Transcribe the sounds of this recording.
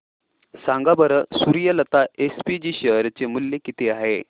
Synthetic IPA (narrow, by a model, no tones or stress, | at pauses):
saŋɡabəɾəsuɾijələt̪aespid͡ʑiɕəɦɾt͡semulːekit̪ʰeaɦe